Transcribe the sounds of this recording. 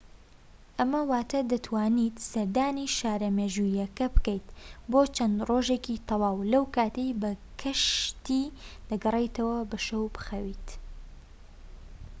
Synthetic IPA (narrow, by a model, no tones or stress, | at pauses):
ʔɐmɐwaːt̪ʰɐd̪ɐt̪ʰwaːniːt̪sɐɾd̪aːniʃaːɾɐmeːʒujɐkɐbɨkejt̪boːt͡ʃɐnd̪roːʒekit̪ʰɑwaːwlɐwkaːt̪ejbɐkʰɐʃt̪iːd̪̥ɨɡɨrejt̪ɐwɐbɐʃɐwbɨ̥xɐwiːt̪